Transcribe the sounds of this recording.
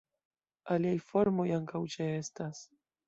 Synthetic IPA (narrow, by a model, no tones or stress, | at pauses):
aliajfo̞ɾmo̞jaŋkawt͡ʃeestas